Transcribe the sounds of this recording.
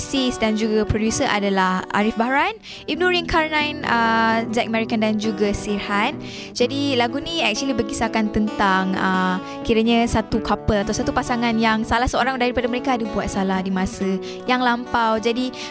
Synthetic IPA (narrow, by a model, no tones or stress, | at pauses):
sisdand͡ʒuɡapɾodjusəʔa̰dalaha̰ɾifbaɾan | im̚nuɾiŋkʰarnãjnəzak̚mɛɾikandand͡ʒuɡasirhan | d͡ʒadilaɡuniɛk̚t͡ʃuəlibərɡisakant̪ənt̪aŋə | kiɾaɲasat̪ukapəlat̪awsat̪upasaŋanjaŋsalahsəoɾaŋdaɾipadaməɾekaːdəbuat̪̚salahdimãsə | jaŋlampawd͡ʒadi